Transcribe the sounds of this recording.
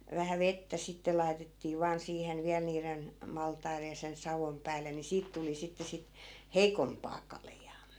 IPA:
ʋæhæ ʋetːæ sitːe lɑi̯tetːiː ʋɑːn siːhen ʋiæl niːren mɑltɑirej̆ jɑ sen sɑʋom pæːlːen ni siːt tuli sitːe sit heikompɑː kɑljɑː

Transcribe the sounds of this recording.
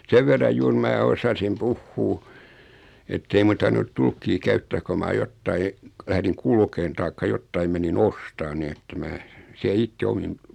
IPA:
seʋ ʋerːɑj juːr mæː osɑsim puhːuː etːei mun̆ tɑrʋinut tulkːiː kæytːæː ko mɑː jotːɑi læhriŋ kulkeːn tɑikːɑ jotːɑim menin ostɑːn niː etːæ mæː siæ itːe omim

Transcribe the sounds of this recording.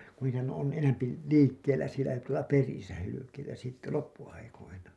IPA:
ku niːtæhæn on enæmpi liːkːelˑæ sielæ tuolɑ perisæ hylykeitæ sitːe lopːuɑikoinɑ

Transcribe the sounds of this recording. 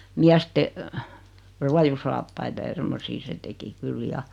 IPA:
miæste ruɑjusɑːpːɑitɑ jɑ semːosiː se teki kyl jɑ

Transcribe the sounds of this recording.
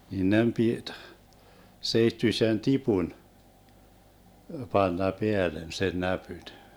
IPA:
nin nem pit seitːyĭsen tipun pɑnːɑ peælen sen næpyn

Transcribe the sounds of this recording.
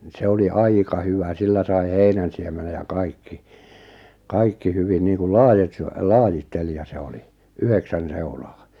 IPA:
n̆ĭ se oli ɑikɑ hyʋæ silːæ sɑi heinænsiemenej jɑ kɑikːi kɑikːi hyʋin niːŋkul lɑːjit se lɑːjitːelijɑ se oli yheksæn seulɑː

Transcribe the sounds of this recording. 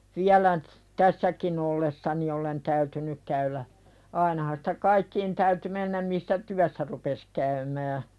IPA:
ʋiælæ ny̆t tæsːækin olːessɑni olen tæytynyk kæylæ ɑinɑhɑn sĭ̥tæ kɑikːiːn tæyty menːæm misːæ tyæsːæ rupes kæymæː

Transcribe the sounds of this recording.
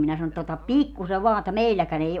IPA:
minæ sɑno etːæ otɑp pikːuse ʋɑː etːæ meilːækæn ei

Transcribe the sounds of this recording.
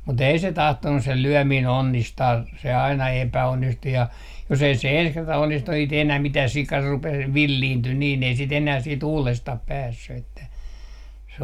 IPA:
mut ei se tɑhtonːu se lyømiːn onːistɑː se ɑinɑ epæonːistu jɑ jos ei se ens kertɑ onːistu ei sĭt enæː mitæː sikɑ rupeː ʋilːiːnty niːn ei sit enæː siːt uːlestɑh pæːsːy etːæ se

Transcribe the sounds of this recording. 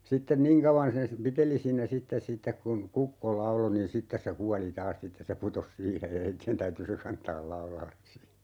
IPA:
sitːen niːŋ kɑuʋɑn sen sĭ piteli siːnæ sitːes sitːek kun kukːo lɑulo nin sitːes se kuɑli tɑːs sitːes se putos siːhej jɑ heitːien tæyty se kɑntɑːl lɑulɑlːes si

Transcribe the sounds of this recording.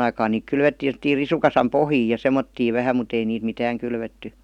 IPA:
ɑikɑːn niːk kylʋetːiːn̞ semə̆tːiːr risukɑsɑm pohjiː jɑ semˑotːiːʋ ʋæhæm mut ei niːt mitæːŋ kylʋetːy

